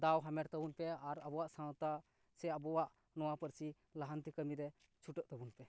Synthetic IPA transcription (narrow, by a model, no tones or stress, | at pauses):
d̪awɦamɛɾt̪abunpɛaɾabɔwaʔsãwt̪a | sɛabɔwaʔ | nɔwapəɾsi | laɦant̪ikəmiɾɛ | t͡ʃʰuʈəʔt̪əbunpɛ